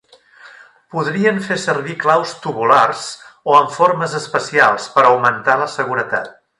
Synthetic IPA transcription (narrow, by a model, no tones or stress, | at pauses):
puðɾiəɱfesərβiklawst̪uβularz̥oəɱfoɾməzəspəsialˠspəɾəwmənt̪aləsəɣ̞uɾət̪a̰t̪̚